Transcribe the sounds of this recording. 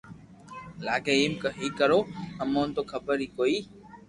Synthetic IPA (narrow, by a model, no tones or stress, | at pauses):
laːɡeːiːmkəɦiːkəɾoːəmõːnt̪oːkʰəbəɾiːkoːiː